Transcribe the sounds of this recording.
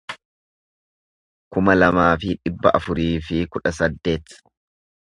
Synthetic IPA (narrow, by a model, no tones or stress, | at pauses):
kʊmɐlɐmaːfɪᶑɪbːɐʔɐfʊɾiːfɪkʊᶑɐsɐd̪ːe̞ːt̪